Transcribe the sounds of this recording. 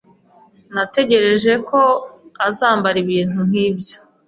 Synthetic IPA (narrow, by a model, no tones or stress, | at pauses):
nate̞ɟe̞ɾe̞ʒe̞kʰo̞azaːmbaɾiβiːn̥hun̥hiːbjo